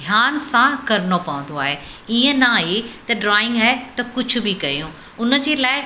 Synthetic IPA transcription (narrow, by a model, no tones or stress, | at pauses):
d̪ʱjaːnsãkɐɾɪnopɐʋə̃n̆d̪oaːɦeiːə̃naːɦet̪ɐɖɾaːɪ̃ŋɡaːɦet̪ɐkʊd͡ʑʱʊ̆bɪkɐjũ | ʊnə̆d͡ʑeːlaːɪ